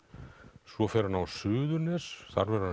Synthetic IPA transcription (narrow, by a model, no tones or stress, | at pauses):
svɔfɛɾanawsʏːðʏnɪsθaɾvɛɾa